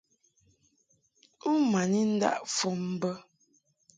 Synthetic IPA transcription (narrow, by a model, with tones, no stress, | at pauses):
u˦ma˨ni˦n̩˦da̰˦ʔfɔ˦˨m̩˦bə˦